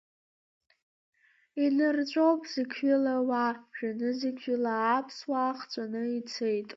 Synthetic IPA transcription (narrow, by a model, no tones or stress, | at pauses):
inɨrt͡ɕʷʼowpʼzɨkʲʰɥɪlawapʷʰʒᶣanɨzɨkʲʰɥɪlaːpʰswaːχt͡sʷʼanɨit͡sʰejtʼ